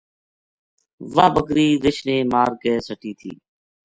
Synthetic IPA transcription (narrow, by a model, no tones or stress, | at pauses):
ʋaːbəkɾiːɾɪʃneːmaːɾɡeːsəʈiːt̪ʰḭː